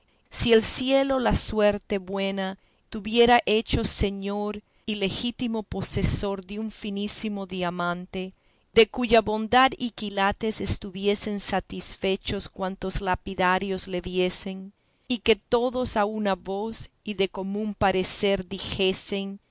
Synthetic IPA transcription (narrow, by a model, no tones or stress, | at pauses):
sie̞lsje̞lo̞laswe̞ɾt̪e̞βwe̞na | t̪uβje̞ɾaʔe̞t͡ʃo̞se̞ɲoɾ | ile̞xit̪imo̞po̞seso̞ɾðeuɱfinisimo̞ðiamãnt̪e̞ | ðe̞kuʝaβo̞nd̪aðikilat̪e̞se̞st̪uβje̞se̞nsat̪isfe̞t͡ʃo̞skwant̪o̞zlapiðaɾjo̞sle̞βje̞se̞n | ike̞t̪o̞ðo̞saunaβo̞siðe̞komũmpaɾese̞ɾðixe̞se̞n